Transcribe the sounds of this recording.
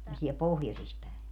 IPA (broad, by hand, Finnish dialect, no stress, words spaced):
se on siɛl pohjosis pæˑe